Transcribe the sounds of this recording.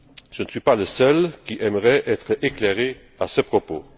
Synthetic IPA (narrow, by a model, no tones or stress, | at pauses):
ʒ̥ənəsɥipaləsœlkiʔɛməʁɛʔɛt̪χəʔekleʁe | asəpχopo